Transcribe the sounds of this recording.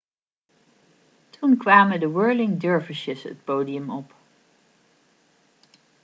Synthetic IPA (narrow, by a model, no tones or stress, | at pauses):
tʰunkʋaːməndəwɜɹlɪŋdøɹvəʃəsə̰t̚poːdiəmɔp